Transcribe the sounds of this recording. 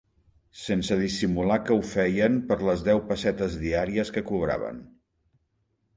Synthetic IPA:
sensəð̞isimulakəufɛjəmpəɾləzðɛwpəsɛt̪əzðiaɾiəskəkuβ̞ɾa̰βə̰n

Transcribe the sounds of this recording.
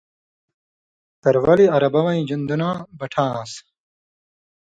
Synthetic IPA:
t̪ɐɾwɐliɐɾɐbɐwɐ̃ĩd͡ʑund̪unãːbɐʈʰãːs

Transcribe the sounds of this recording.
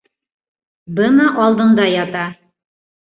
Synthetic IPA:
bɤnɑʔɑlˠd̪ɤ̆ɴd̪ɑjɑt̪ɑ

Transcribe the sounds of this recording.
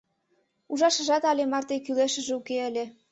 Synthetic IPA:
uʒɑʃə̆ʒɑt̪ɑlʲemɑrt̪ekyleʃə̆ʒeukeəlʲĕ

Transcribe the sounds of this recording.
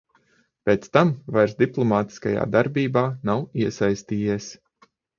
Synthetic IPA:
pʲeːt̪st̪amvajɾsd̪iplˠɔmaːt̪i̥skaja̰ːd̪aɾbʲiːbaːnawiɛsajst̪iːjiɛs

